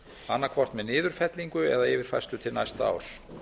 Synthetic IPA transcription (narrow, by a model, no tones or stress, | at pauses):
anːakʰvɔr̥t̪mɛðnɪːðʏɾ̥fɛt̪liŋkʏɛ̰ðaɪvɪɾ̥fajst̪ʏt̪ʰɪlnajst̪aa̰ːwɾ̥s